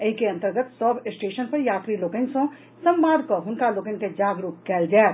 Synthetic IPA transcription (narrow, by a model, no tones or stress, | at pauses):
eːkeɐ̃nt̪əɾɡət̪sɔːpɪsʈeːʃənpɐɾjaːt̪ɾiloːkə̃nsõ | sɐ̃mbaːd̪koɦʊnkaloːkə̃nked͡ʒaːɡɾukkɛːld͡ʒaː